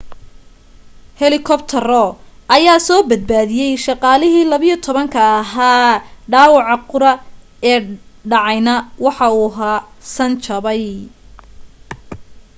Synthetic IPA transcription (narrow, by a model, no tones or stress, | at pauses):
hɛlɪkʰɔpt̪ʰɐrɔʔɐjaːsɔːbɐd̪̚baːðɪjɛjʃɑqɑːlɪɦiːlɐβɪjit̪ʰɔβɐŋkʰɐːɦaːɖaːwɑʕɑqʊɾɐ | ɛːɖɑʕɑjnɐwɑħɑuːɦaːsɐnt͡ʃʰɐβɛj